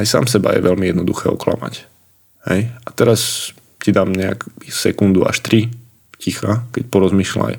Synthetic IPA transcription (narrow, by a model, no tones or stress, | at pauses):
ajsa̰ːmsɛba̰jɛ̰ʋʔɛlmijɛd̪nɔd̪uxɛːɔ̰kla̰ma̰c | hɛjat̪ɛɾas | cid̪aːmɲɛa̰kisɛkund̪ua̰ʃt̪ɾi | cixakɛcpɔɾɔzmiːʃla̰j